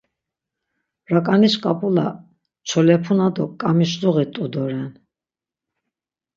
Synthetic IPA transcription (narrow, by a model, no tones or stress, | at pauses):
ɾakʼaniskʼapʼula | t͡ʃʰɔlɛpʰunad̪ɔkʼamiʃd̪uɣit̪ʼud̪ɔɾɛn